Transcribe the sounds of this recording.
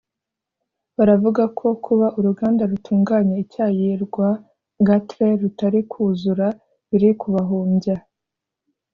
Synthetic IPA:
βaɾavuɡakʰo̞kʰuβaʔuɾuɡaːndaɾutʰuːŋɡaːɲeicaːjiɾɡwa | ɡatɾe̞ɾutaɾikʰuzuɾa | βiɾikʰuβaɦuːmɟa

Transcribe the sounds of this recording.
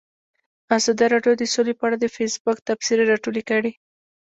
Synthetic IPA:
azɑd̪aɾɑɖjod̪əsolepəaɽad̪əfesbʊkt̪afsiɾeɾɑʈolekəɽi

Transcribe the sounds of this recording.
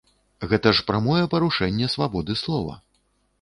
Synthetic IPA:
ɣɛt̪ɐʂpɾamɔjɛpɐɾuʂɛnʲːɛsvabɔd̪ɨslˠɔvɐ̰

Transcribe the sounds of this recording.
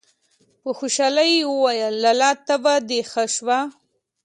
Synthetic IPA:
pəxoʃɑlajewəwajəlːalɑt̪abad̪exaʃwa

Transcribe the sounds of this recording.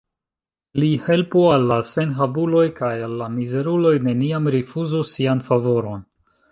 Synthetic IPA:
lihe̞lpualːase̞nɦabulo̞jkajalːamize̞ɾulo̞jne̞niamɾifuzusianfavo̞ɾo̞n

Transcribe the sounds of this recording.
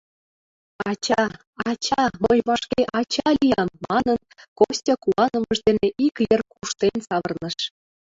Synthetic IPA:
ɑt͡ɕɑ | ɑt͡ɕɑmɤjβɑʃkʲeʔɑt͡ɕɑlʲijɑmːɑnɤ̆nkosʲtʲɑkuɑnɤ̆mɤ̆ʃd̪enʲeʔikjĕrkuʃt̪enʲsɑβɤ̆rnɤ̆ʃ

